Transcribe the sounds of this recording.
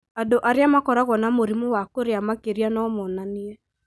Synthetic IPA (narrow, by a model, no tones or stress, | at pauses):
adoʔaɾeamakɔɾaɣɔnamoɾimowakoɾeamakeɾianɔmɔnaniɛ